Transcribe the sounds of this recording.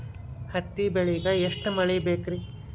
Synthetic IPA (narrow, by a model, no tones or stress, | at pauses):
hɐt̪ːibeɭiɡɐeʂʈmɐɭibeːkɾi